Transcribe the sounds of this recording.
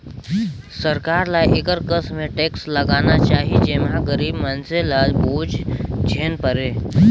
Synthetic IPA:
səɾkaːɾlajʔɪkəɾkəsmẽʈeːksləɡaːnat͡ʃaːɦid͡ʒemɦãɡəɾiːbmənselaːd͡ʒbuːd͡ʒd͡ʒʱeːnpəɾeː

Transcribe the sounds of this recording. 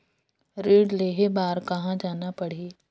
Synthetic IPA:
ɾeːɖleːɦebaːɾkɐɦãd͡ʒaːnapɐɽ̤eː

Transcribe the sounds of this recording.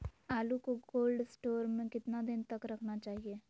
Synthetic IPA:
aːlukoɡoːlɖsʈoːɾmẽkɪt̪nad̪ɪnt̪ɐkɾɐkʰnat͡ʃaːɦieː

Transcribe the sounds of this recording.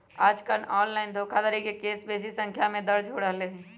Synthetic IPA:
aːd͡ʒkəɾnɔːnlaːɪnd̪ʱoːkʰad̪aɾikekeːsbeːs̬isə̃ŋkʰjamẽd̪ɐɾd͡ʒoːɽəɦleɦɛ̃ː

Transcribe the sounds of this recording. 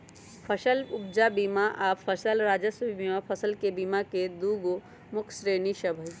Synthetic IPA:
pʰəʃəlʊb̚d͡ʒabiːmaʔaːpʰəsəlɾaːd͡ʒəsbimapʰɐsəlkebiːmaked̪uːɡo | mʊkʰsɾeːniʃəbʱə

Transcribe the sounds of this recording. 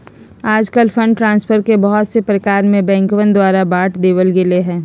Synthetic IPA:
aːd͡ʒkəlfɐ̃ɳɖʈɾãːnspʰəɾkebɔɦʊt̪sepɾəkaːɾmẽbɛ̃ːŋkʋə̃nd̪waːɾabaːʈd̪eːʋəlɡɪleɦɛ̃ː

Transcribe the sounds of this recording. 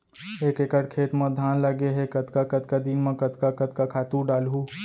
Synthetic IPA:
eːkekəɽkʰeːt̪mə̃d̪ʱaːnləɡeɦekət̪kakət̪kad̪inmẽkət̪kakət̪̚kakʰaːt̪ũɖaːlɦũ

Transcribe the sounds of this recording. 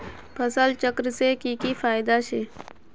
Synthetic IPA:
pʰəsəlt͡ʃəkɾseːkiːkifʰaːɪd̪aːʃeː

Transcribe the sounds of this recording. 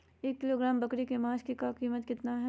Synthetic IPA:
eːkːɪloːɡɾaːmbɐkɽikemaːʃkikakiːmət̪kɪt̪naɦɛ

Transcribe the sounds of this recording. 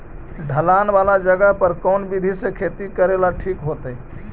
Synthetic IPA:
ɖʱəlaːnʋaːlad͡ʒəɡəɦpəɾkɔːnbid̪ʱisekʰeːt̪ikəɾelaʈʰiːkɦoːt̪e

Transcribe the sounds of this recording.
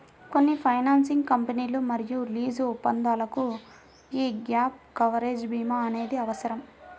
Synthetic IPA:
ko̞nːipʰɐjnaːnsiŋɡkɐmpɐniːlumɐɾijuliːd͡ʒuupːɐnd̪aːlɐku | iːɡjaːp̚kɐʋɐɾeːd͡ʒbiːmaːɐne̞ːd̪iɐʋɐsɐɾɐm

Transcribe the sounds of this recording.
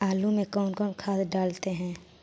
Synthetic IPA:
aːlumẽkɔːnkɔːnkʰaːd̪ɖaːlt̪eɦɛ̃ː

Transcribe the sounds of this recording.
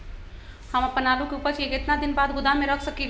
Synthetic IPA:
həməpːənaːlukeupəɾt͡ʃeɡet̪nad̪inbaːd̪ɡʊd̪amẽɾəkʰsəkiɡ

